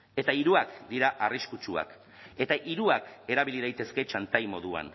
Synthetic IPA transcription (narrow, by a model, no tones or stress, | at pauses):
e̞t̪aiɾuakd̪iɾaʔariskut͡ʃua̰k | e̞t̪aʔiɾuake̞ɾaβ̞iliðajt̪e̞ske̞t͡ʃant̪ajmo̞ðua̰n